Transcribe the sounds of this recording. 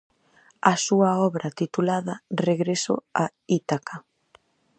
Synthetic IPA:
ɐsuɐɔβɾɐt̪it̪ulaðɐreɣɾeso̰ait̪aka

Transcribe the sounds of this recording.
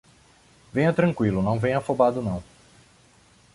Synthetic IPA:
vẽj̃ɐt̪ɾɐ̃kwilʊnɐ̃w̃vẽj̃ɐfobad̪ʊnɐ̃w̃

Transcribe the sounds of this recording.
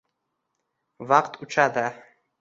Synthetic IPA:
vaqt̪ʰut͡ʃad̪a

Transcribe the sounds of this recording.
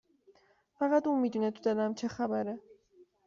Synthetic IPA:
vaʁad̪umid̪inɛt̪ʰud̪anamt͡ʃʰɛχabaɾɛ

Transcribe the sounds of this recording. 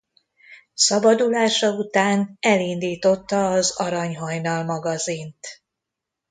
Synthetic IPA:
sɒbɒd̪ulaːʃɒut̪aːnɛlind̪iːt̪o̞t̪ːɒːzɒɾɒɲɦɒɲnɒlmɒɡɒzint̪

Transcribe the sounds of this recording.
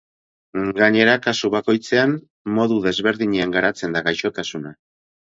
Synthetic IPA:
ɡaɲe̞ɾakasuβako̞jt͡se̞an | mo̞ðuðe̞zβe̞ɾðiɲeaŋɡaɾat͡se̞nd̪aɣajʃo̞t̪asuna

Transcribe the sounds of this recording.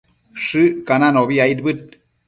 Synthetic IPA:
ʂɨkananoβiajd̪̚bɨt̪̚

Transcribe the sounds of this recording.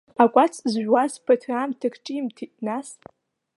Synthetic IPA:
akʷʼat͡sʰzʒᶣwazpʰatʰramtʰɨkʰʈ͡ʂʼiimtʰitʼnas

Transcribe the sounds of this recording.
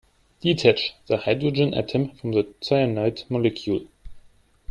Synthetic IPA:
d̥itʰɛt͡ʃðəhaɪdɹəd͡ʒɪ̃nʔə̰tʰɛ̃mfɹɔ̃mðətʰaɪənaɪtmɔlɛkʰjul

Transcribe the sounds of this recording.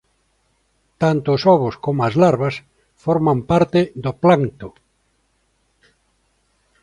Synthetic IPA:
t̪ant̪oːsɔβ̞ʊskomoazlaɾβas | foɾmampaɾt̪eðoplant̪ʊ

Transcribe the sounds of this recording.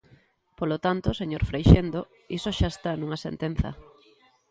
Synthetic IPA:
polot̪ant̪oseɲoɾfɾejʃend̪o | isoʃaest̪anũŋɐsḛnt̪en̟θɐ̰

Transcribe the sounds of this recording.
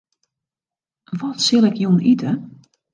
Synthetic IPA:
ʋɔtsɪlˠɛkjunitʰə

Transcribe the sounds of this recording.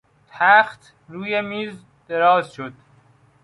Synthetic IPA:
t̪ʰæxt̪ | ɾuːjemiːz | d̪̥eɾɒːzʃod̪̥

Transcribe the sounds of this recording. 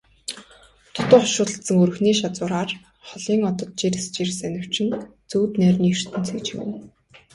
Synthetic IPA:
t̪ʰʊt̪ʊ̆χɔʃʊːt̪ə̆ɬsə̆ŋɵɾɵ̆xniːʃat͡sʊːɾaːr | χɔɮiːŋɔt̪ɞ̆t̪̚t͡ɕirɘst͡ɕirsænʲɪ̆w̥t͡ɕʰɪ̆nt͡suːt̪næːrniːr̥t̪ɘ̆nt͡sʰeːt͡ɕɪ̆mɘ̰n

